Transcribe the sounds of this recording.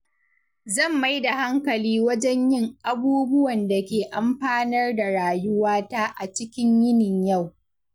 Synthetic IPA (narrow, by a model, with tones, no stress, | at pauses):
zɐ˦˨mːa˦jda˨ha˦ŋkɐ˨liː˦wɐ˦d͡ʒɛ˦ɲjɪ˦ŋʔa˦buː˦bʊ˦wɐ˨nda˨kʲeː˨ʔa˨mɸaː˦nɐ˦rda˨ɾaː˨jʊ˦waː˦ta˦ʔa˨t͡ʃɪ˦kʲɪ˦ɲjɪ˦nɪ˨ɲja˦˨w